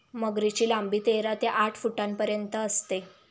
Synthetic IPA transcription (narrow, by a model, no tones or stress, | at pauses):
məɡɾit͡ɕiːlambiːt̪eɾat̪eʔaʈʰfuʈampəɾjənt̪əːst̪e